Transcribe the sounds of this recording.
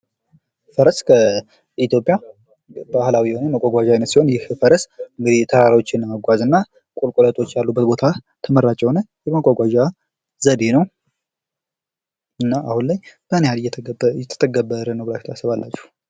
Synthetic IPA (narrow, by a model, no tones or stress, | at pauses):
fəɾəskʰə | it̪jo̞pʼja | bahlawihonəməkʷʼːaɡʷaʒawinət̪siho̞njɪhfəɾəsɨŋɡɨd̪it̪ʰəɾaɾawo̞t͡ʃːɪnːəməɡʷazɨnːa | kʼolkʼolət̪ʼo̞t͡ʃːjalːubːət̪bo̞t̪ʰa | t̪ʰəmərːat͡ʃʼːɛwnəjɛməkʷʼaɡʷaʒa | zəd̪e̞nəw | ɨnːaʔahunlajb̥ənehaljɛjɛt̪ʰə̥t̪ʰəɡəbːəɾənəwbəlafit̪ʰasəβalːa̰t͡ʃːɛh